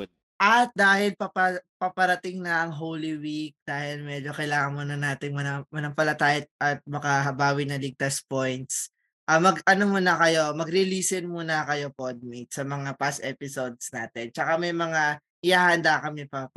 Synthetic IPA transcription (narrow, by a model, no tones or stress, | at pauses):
ʔɐt̪̚d̪aːhɪlpɐpɐpɐpɐɾɐt̪ɪŋnɐʔɐŋɦowliwik̚d̪̥aːhɪlmɛd͡ʒo̞kɐjlaːŋɐŋmuːnɐnaːt̪ɪŋmɐnɐmɐnɐŋpɐlɐt̪aːʔɪt̪̚ʔɐt̪̚mɐkɐɦɐbaːwɪnɐlɪɡ̚t̪ɐspojnt̪s | ʔaːmɐɡɐnomuːnɐkɐjo̞mɐɡɾɪliːsɪnmuːnɐkɐjo̞pod̪̚mit̪̚sɐmɐŋapast̪ʔɛpɪsod̪̚snaːt̪ɛnt͡ʃɐkamɐjmɐŋa | ʔɪjaːhɐnd̪akɐmɪpɐp